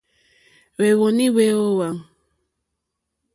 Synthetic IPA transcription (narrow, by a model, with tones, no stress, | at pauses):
we˨ɣo˨nĩ˦we˨˦o˦wa˨